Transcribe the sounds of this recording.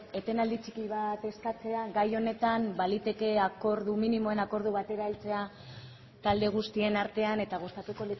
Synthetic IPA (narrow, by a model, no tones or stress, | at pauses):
e̞t̪e̞nald̪it͡ʃikiβat̪e̞skat͡se̞aɡajo̞ne̞t̪ambalit̪e̞ke̞ako̞ɾðuminimo̞e̞nako̞ɾð̞uβat̪e̞ɾailt͡se̞a | t̪ald̪e̞ɣ̞ust̪ie̞naɾt̪e̞ane̞t̪aɣust̪at̪uko̞lit͡s